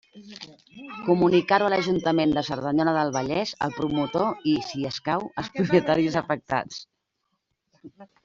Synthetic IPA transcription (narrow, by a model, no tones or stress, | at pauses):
kumunikaɾuələʒunt̪əmend̪əsəɾðəɲɔnəðəlˠβəʎɛzə̰lˠpɾumut̪oisiəskawəlˠspɾupiət̪aɾizəfək̚t̪a̰t͡s